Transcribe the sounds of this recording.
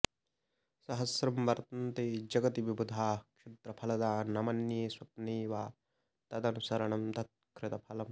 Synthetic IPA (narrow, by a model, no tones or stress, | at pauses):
sɐɦɐsɾɐmʋɐɾt̪ɐnt̪eːd͡ʒɐɡɐt̪iʋibʱud̪ʱaːkʃɪt̪ɾɐpʰɐlɐd̪aːnɐmɐnjeːswɐt̪neːʋaː | t̪ɐd̪ɐnusɐɾɐɳɐmd̪ʱɐt̪̚kɾɪt̪ɐpʰɐlɐm